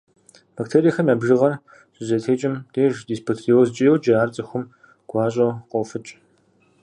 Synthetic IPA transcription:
b̥aktʰeːɾijxɐmjaːbʒɨʁɐr | ɕʼʊzɐtʰeːt͡ʃʼɪmdeːʒdiːspʰotʰriozt͡ʃʼijɛwd͡ʒɐaːrt͡sʼɐxʷʊm | ɡ̥ʷɑːɕʼɐqowfɨt͡ʃʼ

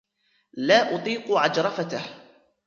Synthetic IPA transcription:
laːʔʊt̪ˤiːqʊʕad͡ʒɾˤɑfat̪ah

